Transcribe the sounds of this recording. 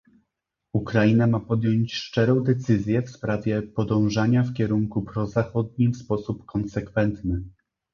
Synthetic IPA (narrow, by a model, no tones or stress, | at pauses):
ukɾainamapɔd̪ʲjɔɲt͡ɕʂt͡ʂɛɾɔ̃w̃d̪ɛt̪sɘzʲjɛfspɾavʲjɛpɔd̪ɔ̃w̃ʐaɲafkʲɛɾuŋkupɾɔzaxɔd̪̚ɲimfspɔsupkɔnsɛkfɛnt̪nɘ